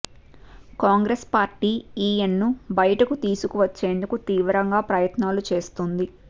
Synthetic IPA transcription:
kaːŋɡɾespaːɾʈiːiːjenːubɐjɐʈɐkut̪iːsukuʋɐt͡ʃːe̞ːnd̪ukut̪iːʋɾɐŋɡaːpɾɐjɐt̪naːlut͡ʃe̞ːst̪und̪i

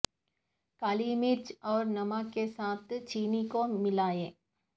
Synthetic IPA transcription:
kaːlimɪɾt͡ʃɔːɾnɐmakesaːt̪ʰt͡ʃiːnikomɪlaːẽː

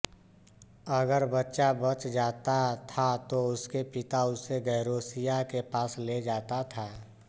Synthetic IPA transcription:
əɡəɾbətːʃabət͡ʃd͡ʒaːt̪at̪ʰat̪oʊskepɪt̪aʊseɡəɪɾoːsijakepaːsled͡ʒaːt̪at̪ʰaː

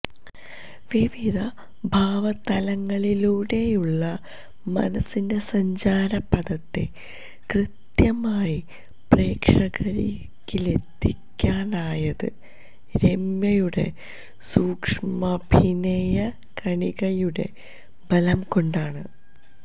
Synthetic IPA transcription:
ʋiʋid̪ʱɐ | bʱaːʋɐt̪ɐlɐŋːɐɭiluːɽe̞juɭːɐ | mɐ̰nɐsːinde̞sɐɲd͡ʑaːɾɐpːɐd̪ɐt̪ːḛ | krɨt̪jɐmaːji | pre̞ːkʂɐɣɐɾḭ | kːile̞t̪ːikʲːaːnaːjɐðɨ | ɾe̞mjɐjuɽe̞̰ | suːkʂmɐbʱinɐjɐ | kɐɳiɣɐjuɽe̞̰ | bʱɐlɐmko̞ɳɖaːɳɨ

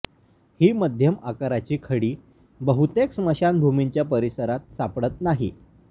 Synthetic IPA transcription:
hiːməd̪ʱjəmakaɾat͡ɕiːkʰəɽiː | bəɦut̪eksməɕanbʱumiɲt͡ɕjapəɾisəɾat̪̚sapɽət̪naɦi

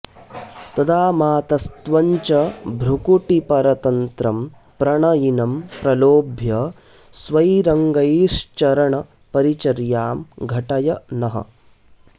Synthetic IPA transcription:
t̪ɐd̪aːmaːt̪ɐst̪ʋɐɲt͡ʃɐbʱɾukuʈipɐɾɐt̪ɐnt̪ɾɐm | pɾɐɳɐjinɐmpɾɐloːbʱjɐ | sʋɐjɾɐŋɡɐjiʂt͡ʃɐɾɐɳɐ | pɐɾit͡ʃɐɾjaːmɡʱɐʈɐjɐnɐɦɐ̰

